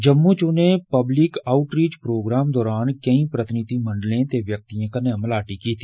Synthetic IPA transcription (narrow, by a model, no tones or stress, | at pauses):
d͡ʒəmːut͡ʃonepəblɪkaːʊʈɾiːt͡ʃpɾoːɡɾaːmd̪ɔːɾaːnkɐĩpɾət̪ɪnid̪ʱimə̃ɳɖəlẽt̪eʋjək̚t̪iãkəneɐməlaːʈikit̪ʰi